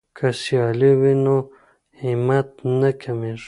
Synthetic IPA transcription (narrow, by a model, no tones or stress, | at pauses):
kʰasjɑliwino | himat̪̚nakʰameʐ